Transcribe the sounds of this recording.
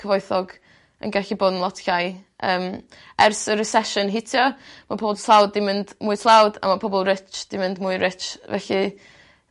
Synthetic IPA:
kʰəvɔɨθɔɡ | ə̰nɡɛɬiboːdn̩lˠɔtʰɬajəːm | ɛrsəɾəsɛʃənɦɪtʰjɔmapʰɔbɔlˠtʰlˠawdimɪndmuɨtʰlˠawda̰mapʰɔbɔlˠrɪt͡ʃd̥imɪndmuːɨɾɪt͡ʃvɛ̰ɬi

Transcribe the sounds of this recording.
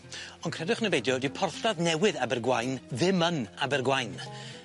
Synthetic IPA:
ɔnkʰrɛdɪχnəvejdjɔdɪwpʰɔrθdaðnɛwɨðabɛrɡwajnðɪmənabɛrɡwajn

